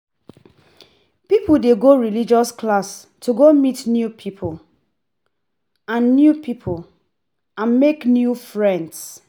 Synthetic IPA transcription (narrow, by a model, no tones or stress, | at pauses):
pipudeɡoɹilid͡ʒɔsklas | tʰuɡomitnjupʰipʰul | ãnːjupʰipʰul | ãnmeknjufɹɛ̃nds